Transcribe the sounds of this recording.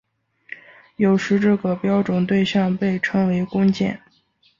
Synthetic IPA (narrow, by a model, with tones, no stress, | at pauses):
jo˨˩ʊʂɻ̩˧˥ʈ͡ʂɤ˥˩ɡə˨˩pjɑ˥ʊʈ͡ʂʊ˨˩ŋt̪we˥˧ɪɕjɑ˥˧ŋpe˥˩ɪʈ͡ʂʰɤ˥ŋwe˧˥ɪkʊ˥ŋt͡ɕjɛ̰˥˩n